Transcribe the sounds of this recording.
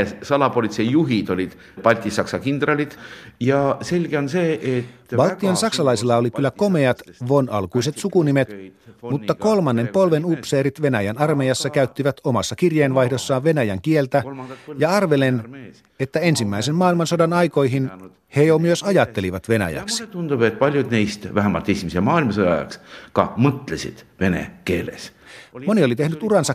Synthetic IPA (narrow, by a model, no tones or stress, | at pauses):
sɑlɑpolit̪sejjuɦid̪olʲit̪ | pɑlʲt̪ʲːˑisɑksɑkind̪rɑlʲit̪jɑse̞lʲɡ̥eonseːʔet̪ːbɑlt̪ːˑionsɑksɑlɑjsilːɑo̞likylːæko̞me̞ɑt̪ʋonɑ̰lkujse̞t̪sukunimet̪mut̪ːɑko̞lmɑnːe̞mpo̞lʋe̞nupse̞ːɾit̪ʋe̞næjænɑrmejɑsːɑkæyt̪ːiʋæt̪omɑsːɑkirjeːnʋɑjhdo̞sːɑːʋʋe̞næjæŋkielt̪æjɑɑrʋe̞len | e̞t̪ːæe̞nsimːæisenmɑːilmɑnsodɑnɑjko̞jɦin | hejomyøsɑjɑt̪ːe̞liʋɑt̪ʋe̞næ̰jæ̰ksi̥t̪und̪upet̪̚pɑlʲjud̪nijst̪væɦæmːɑlt̪ismisemɑːilmɑsod̪ɑ̰jɑ̰kskɑ̰mɤt̪lesḭd̪̥ve̞nḛkeːlḛsmo̞nio̞lit̪e̞hnyt̪urɑnsɑ